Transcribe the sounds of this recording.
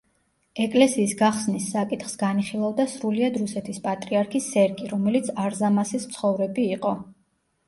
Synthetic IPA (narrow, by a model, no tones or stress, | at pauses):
ɛkʼlɛsiːsɡaχsnisːakʼit̪ʰχsɡaniχilˠavd̪asɾuliad̪ɾusɛt̪ʰispʼat̪ʼɾiaɾkʰisːɛɾɡʼiɾɔmɛlit̪sʰaɾzamasismt̪sʰχɔvɾɛbiːqʼɔ